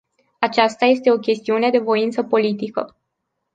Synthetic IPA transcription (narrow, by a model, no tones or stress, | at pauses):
at͡ʃast̪aje̞st̪e̞o̞kʲe̞st̪iune̞d̪e̞vo̞int̪səpo̞lit̪ikə̰